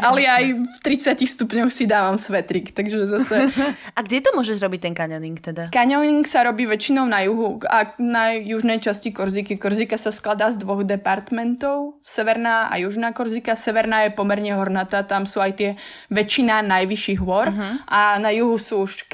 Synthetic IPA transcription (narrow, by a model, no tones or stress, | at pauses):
ʔalɛjaːjft̪ɾit͡sjacixst̪upɲɔxsid̪aːʋamsʋɛt̪ɾiːkt̪aɡʒɛzasɛaɡɟɛt̪ɔmʊɔʒɛʒɾɔbic̚t̪ɛŋkaɲɔniŋkt̪ɛd̪akaɲɔniŋksaɾɔbiːʋɛt͡ʃinɔʊnajuɦuanajuʒnɛjt͡ʃascikɔɾzikikɔɾziːkasasklad̪aːzd̪ʋɔɣd̪ɛpaɾt̪mɛnt̪ɔʊ | sɛʋɛɾnaːʔa̰juʒnaːkɔɾziːkasɛʋɛɾnaːjɛpɔmɛɾɲɛɦɔɾnat̪aːt̪amsuːajt̪ɪɛ | ʋɛt͡ʃinanajʋiʃiːɣɦʋɔɾɦʔanajuɦusuuʃk